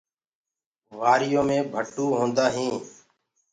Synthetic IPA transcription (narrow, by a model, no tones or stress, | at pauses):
ʋaːɾɪjõːmẽːbʱəʈuːɦõːnd̪aːɦĩː